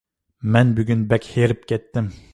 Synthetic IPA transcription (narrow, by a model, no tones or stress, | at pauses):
mɛnbyɡʲynbɛkʲheɾɪp̚kʲʰɛt̪ːɪm